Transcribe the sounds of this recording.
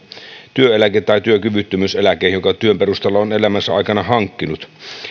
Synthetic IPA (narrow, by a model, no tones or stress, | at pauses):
t̪yøelæket̪ːɑit̪yøkyʋyt̪ːymyselækˑeːhjokɑt̪yømperust̪elːɑonelæmæsːæɑ̰ikɑnɑhɑŋkːinut̪